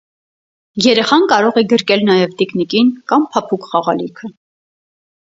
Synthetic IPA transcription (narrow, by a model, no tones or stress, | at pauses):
jɛɾɛχɑnkɑɾɔʁɛɡəɾkɛlnɑjɛvd̪iknikinkɑmpʰɑpʰukχɑʁɑ̰likʰə